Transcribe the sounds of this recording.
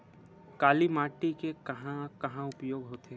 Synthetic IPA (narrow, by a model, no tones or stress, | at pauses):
kaːlimaːʈikekɐɦãkɐɦãʊpjoːɡɦoːt̪eɦ